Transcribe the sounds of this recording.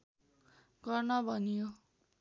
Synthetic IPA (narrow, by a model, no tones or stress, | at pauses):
ɡʌrnʌbʱʌnjo